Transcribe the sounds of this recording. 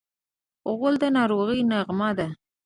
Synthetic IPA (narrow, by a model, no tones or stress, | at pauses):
ʊɣəld̪ənɑɾoɣijnaɣmad̪a